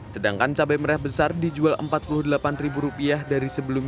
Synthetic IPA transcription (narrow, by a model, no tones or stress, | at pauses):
sədaŋkant͡ʃabaməɾɛhbəsardid͡ʒualʔə̰mpat̪̚pulʊhdəlapanribuɾupiahdaɾisəbəlum